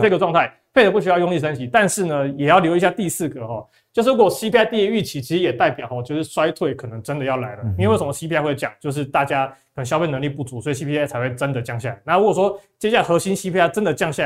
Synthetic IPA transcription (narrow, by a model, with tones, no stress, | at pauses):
ɤ˥˧˩ɡə˩ʈ͡ʂwɑ˥˧ŋt̪ʰa˥˩ɪ | pʰe˥ɪd̪ə˩pu˥˩ɕy˥jɑ˥˧ʊjʊ˥˧ŋi˥˧˩sə˥nɕi˧˨˦t̪a˥˧nʂɻ̩˥˩nə˩jɛ˨˩jɑ˥˩ʊljo˧˥ʊi˧˥ɕja˥˧t̪i˥˧sɹ̩˥˩ɡə˩xɔ˥˩ | t͡ɕjo˥˧ʊʂ̬̩˥˩u˧˥kɔ˨˩˨ɕi˥pʰi˥a˥˧t̪i˥˧˥y˥˩t͡ɕʰi˧˥t͡ɕʰi˧˥ʂ̩˧jɛ˨˩t̪a˥˩ɪpjɑ˨˩ʊxɔ˨˩t͡ɕjo˥˧ʊʂɻ̩˥˩ʂwa˥ɪt̪ʰwe˥˩ɪkʰɤ˨˩nɤ˧˥ŋʈ͡ʂə˦nd̪ə˨jɑ˥˩ʊla˧˥ɪlə˧˨˧we˥˩ʂə˧˦mə˧ɕi˥pʰi˧˥˧ɪwɪt͡ɕja̰˨˩˦ŋt͡ɕjo˥˧ʊʂ̬ɻ̩˥˧t̪a˥˩t͡ɕja˥kkʰɕjɑ˥ʊfe˥˩nə˧ŋli˥˧˩pu˥˩t͡su˧˥swɔ˧˥i˨˩ɕ̬i˧˥pʰi˧˥˩t͡sʰa˧˥xwe˥˩ɪʈ͡ʂə˦nd̪ə˨t͡ɕjɑ˥˧ŋɕja˥˩a˨˦ɪna˥˩u˦˥wɔ˨˩ʂwɔ˥t͡ɕjɛ˥ɕja˥˩xɤ˧˥ɕi˥nɕi˧˥pʰi˥a˥˩ʈ͡ʂə˦˥nd̪ə˨t͡ɕjɑ˥˧ŋɕja˥˨